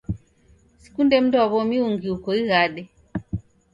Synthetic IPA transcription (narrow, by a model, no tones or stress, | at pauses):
si̥kundɛm̩dɔaβɔmiuŋɡiukɔiɣaɗɛ